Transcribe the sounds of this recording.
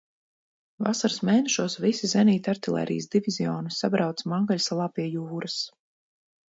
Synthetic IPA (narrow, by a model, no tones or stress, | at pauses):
va̰saɾsmʲɛjnɛʃuɔsvisizɛniːt̪ʲaɾt̪ilˠʲɛ̰ɾʔḭjsd̪ivʲizʲiɔːnusabɾawt̪smaŋɡalʲsalˠaːpiɛjuːɾas